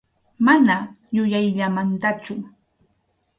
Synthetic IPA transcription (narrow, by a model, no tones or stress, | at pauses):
mana | jʊjajʎamant̪at͡ʃʊ